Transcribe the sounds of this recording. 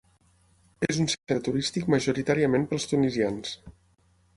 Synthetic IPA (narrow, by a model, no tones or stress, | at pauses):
ezunset̪ət̪uɾist̪ikməʒuɾit̪aɾiəmempəlˠst̪unizians